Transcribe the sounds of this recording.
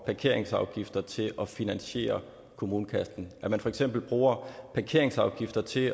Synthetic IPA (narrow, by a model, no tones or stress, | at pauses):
pʰɑ̈kʰe̝ɐ̰e̝ŋsɑ̈ʊɡ̥ifd̥ɐt͡sʰe̝lʔɒ̽finænɕe̝̰ːɐ | kʰo̝muːnəkʰæsd̥n̩ʔæmænfɒ̽eɡ̥sem̰b̥l̩b̥ʁuːɐpʰɑ̈kʰe̝ɐ̰eŋsɑ̈ʊɡ̥ifd̥ɐt͡sʰe̝